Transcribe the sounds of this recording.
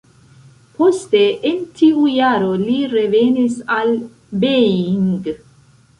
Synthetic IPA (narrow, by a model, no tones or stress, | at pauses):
posteʔːntʰiujaɾoliɾe̞venisal | beiiŋɡ